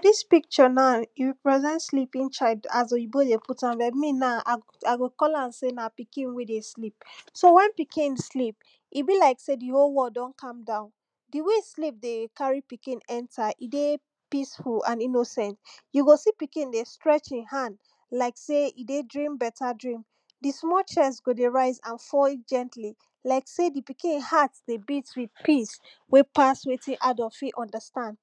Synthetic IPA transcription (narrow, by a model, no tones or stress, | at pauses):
adispik̚t͡ʃɔnaiwpɹɛzɛ̃ntslipĩnt͡ʃaɪdaz̬ojibodepʰutãmbɛmĩnaa | aɡokɔlãnsenapikĩnwedeslip̚sowɛ̃npikʰĩnslip̚ | ʔibilaɪksediholwɔdɔ̃nkʰãmdãʊ̃n | diweslip̚dekaɹipikĩnɛ̃ntʰaʔide | pisfulãninosɛ̃ntjuɡosipikĩndestɹɛt͡ʃĩnhãnd | laɪkseidedɹĩmbɛtʰadɹĩm | dismɔt͡ʃɛs̬ɡodeɹaɪzãnfɔlit̚d͡ʒɛ̃ntʰli | laɪksedipikĩnhatsd̥ebitswid̥pis | wepaswetʰĩnʔadɔfiʔɔ̃ndəstãnd